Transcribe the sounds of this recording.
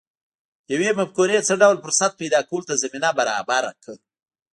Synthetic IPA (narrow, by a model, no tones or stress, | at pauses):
jawemafkonet͡səɖawlfʊɾsat̪̚pajd̪ɑkawəlʊt̪azaminabaɾɑbaɾa̰kə